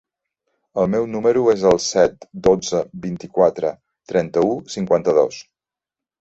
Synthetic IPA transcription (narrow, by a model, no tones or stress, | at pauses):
əlˠmɛwnuməɾuezəlˠsɛt̪d̪od͡zəbint̪ikwat̪ɾə̰ | t̪ɾɛnt̪əusiŋkwant̪əðos